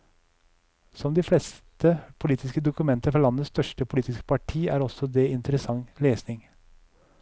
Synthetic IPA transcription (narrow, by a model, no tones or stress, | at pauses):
sɔmd̪iːflɛst̪əpʰʊliːt̪ɪskəd̪ʊkʉmɛnt̪əɾfɔlɑnːəst̪œʂʈəpʰʊliːt̪ɪskə̥pʰɑʈʰiːæːɾɔsɔd̪ɛɪnt̪əɾəsɑŋːleːsnɪŋ